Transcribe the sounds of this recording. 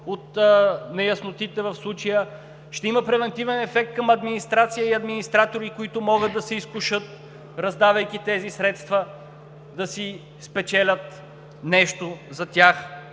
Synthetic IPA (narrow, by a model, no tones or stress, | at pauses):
ot̪nɛjɐsnot̪it̪ɛvɐfslˠut͡ʃəjə | ʃt̪ɛimɐpɾɛvɛnt̪ivɛnɛfɛk̚t̪̚kɐmɐd̪minist̪ɾat̪sijəiɐd̪minist̪ɾat̪oɾikʊit̪ʊmɔɡəd̪ɐsɛiskʊʃɤt̪̚ | ɾɐzd̪avəjk̟it̪ɛzisɾɛt̪st̪vɐ | d̪ɐsi | spɛt͡ʃɛlʲət̪ | nɛʃt̪ozɐt̪ʲax